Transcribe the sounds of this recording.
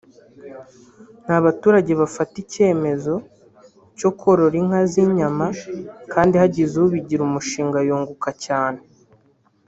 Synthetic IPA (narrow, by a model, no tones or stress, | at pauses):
n̥haβatuːɾaɟe̞βafatice̞ːme̞zo̞ | co̞kʰo̞ɾo̞ɾiŋ̥haziɲamakʰaːndihaɟizuuβiɟiɾumuʃiːŋɡajoːŋɡukacaːne